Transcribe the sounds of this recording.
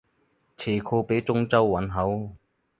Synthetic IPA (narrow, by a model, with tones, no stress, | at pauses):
t͡sʰeː˨˩kʰoː˧pe˨˥jt͡sʊ˥ŋt͡sɐ˥wːɐ˨˥nɦɐ˨˥w